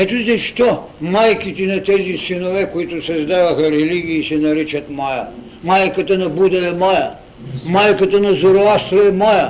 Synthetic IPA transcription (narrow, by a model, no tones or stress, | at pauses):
ɛt̪uzɐʃt̪ɔ | majkit̪ɛnɐt̪ɛzisinovɛkoit̪ʊsɐzd̪avɐxɐɾɛliɡʲiːsɛnɐɾit͡ʃɐt̪majɐ | majkɐt̪ɐnɐbud̪ɐɛmajɐ | majkɐt̪ɐnɐzoɾoast̪ɾoɛmajɐ